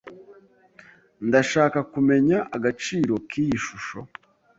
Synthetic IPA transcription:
ndaʃaːkakume̞ɲaʔaɡat͡ʃiːɾo̞kʰiːjiʃuʃo̞

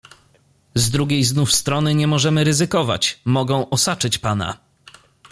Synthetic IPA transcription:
zd̪ɾuɡʲejznufst̪ɾɔnɘɲɛmɔʐɛmɘɾɘzɘkɔva̰t͡ɕmɔɡɔ̃w̃ʔɔsat͡ʂɘt͡ɕpana̰

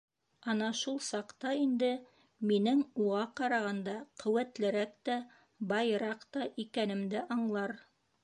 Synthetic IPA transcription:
ɑnɑʃulˠsɑqt̪ɑind̪ɘ | minɘŋuʁɑqɑɾɑʁɑnd̪ɑqɵ̆wæt̪lɘ̆ɾækt̪æ | bɑjɾɑqt̪ɑʔikænɘ̆md̪ɘʔɑɴlˠɑɾ

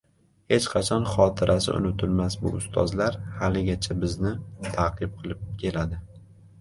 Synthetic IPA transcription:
he̞t͡ʃqʰɑt͡ʃʰɒnχɒt̪ʰɪɾʔasɪ̰ʔʊ̰nɪt̪ʰʊlmasbʊ̰ʊst̪ʰɒ̰zlaɾhalɪɡʲat͡ʃʰabɪznɪt̪ʰaqʰɨp̚qʰɨlˠɪp̚kʲʰe̞lad̪ɪ

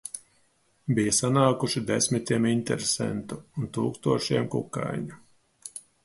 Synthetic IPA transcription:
bijasanaːkuʃid̪esʲmit̪ʲiɛmint̪ɛ̰ɾesɛ̰nt̪uːnt̪uːkst̪uɔʃiɛmkukːa̰jɲu

